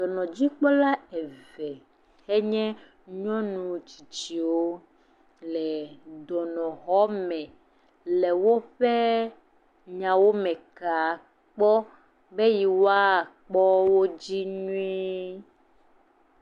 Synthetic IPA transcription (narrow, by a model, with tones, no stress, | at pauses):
dɔ˨nɔ̃˨d͡ʑi˦k͡pɔ˦la˦e˨vɛ˨ | e˦ɲɛ̃˦ | ɲɔ̃˦nũ˨t͡ʃi̥˨t͡ʃi˨wo˦ | lɛ˨d̪ɔ˨nɔ̃˨ɣɔ˦mɛ̃˨ | le˨wo˦ɸe˦ | ɲã˨wo˦mɛ̃˨ka˨ | k͡pɔ˦ | be˦ji˨wo˦a˦˨k͡pɔ˦wo˦d͡ʑi˦ɲũ˦i˦